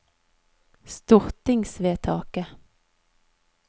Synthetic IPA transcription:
st̪ɔʁt̪ɪŋsʋeːt̪ʰɑ̰ːkə

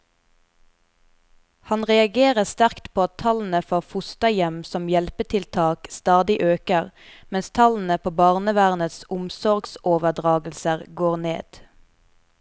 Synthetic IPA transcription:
hɑnʁɛɑɡeːʁəst̪æʁkt̪pʰoːɑt̪ʰɑln̩əfoːʁfʊst̪əjɛmsɔmjɛlpət̪ʰɪlt̪ʰɑːkst̪ɑːd̪ɪʔøːkəʁmɛnst̪ʰɑln̩əpʰoːbɑːʁnəʋæːʁnət̪sʊmsɔʁɡsoːʋəd̪ʁɑːɡl̩səʁɡoːʁnḛːd̪̥

